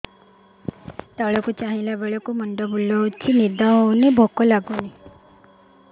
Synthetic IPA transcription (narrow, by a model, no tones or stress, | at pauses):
t̪aɭɔkut͡ʃaɦĩlabeɭɔkumɔɳɖɔbulːɔt͡ʃʰinid̪ɔɔwnebʱɔkɔlaɡuni